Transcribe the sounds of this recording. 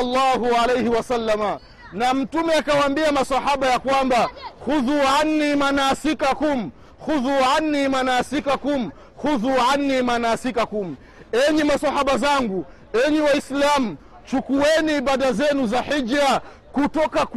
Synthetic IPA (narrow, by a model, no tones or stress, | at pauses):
lːaːhualɛjhiwasalːama | nam̩tumɛakawaːmbiamasahaɓajakwambaxuðuanːimanaːsikakum̩ | xuðuanːimanaːsikakum̩ | xuðuʕanːimanaːsikakum̩ | ɛɲɛmasahaɓazaŋɡu | ɛɲɛwaislamu | t͡ʃukuwɛniːɓaɗazɛnuzaħid͡ʒa | kutɔkak